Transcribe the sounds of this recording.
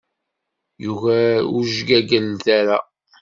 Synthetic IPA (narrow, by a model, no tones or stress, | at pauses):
juvæṵʒɡæɡənθaɾa